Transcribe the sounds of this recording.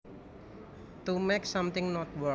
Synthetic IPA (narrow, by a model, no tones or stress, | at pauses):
t̪umeksãmt̪ɪ̃ŋnɔt̪̚wə